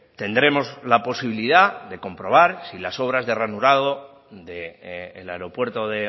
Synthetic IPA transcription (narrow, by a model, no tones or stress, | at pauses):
t̪e̞nd̪ɾe̞mo̞zlapo̞siβiliðaðe̞ko̞mpɾo̞βaɾsilaso̞β̞ɾazðe̞ranuɾaðo | ðeːlaeɾo̞pwe̞ɾt̪o̞ðe